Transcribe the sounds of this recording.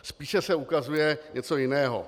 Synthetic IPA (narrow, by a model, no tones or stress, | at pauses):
spiːʃɛsɛukazujɛɲɛt͡sojɪnɛːɦo̰